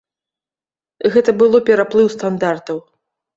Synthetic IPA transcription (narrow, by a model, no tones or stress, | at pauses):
ɣɛt̪ɐbɨlˠɔpʲɛɾaplˠɨwst̪and̪art̪ɐw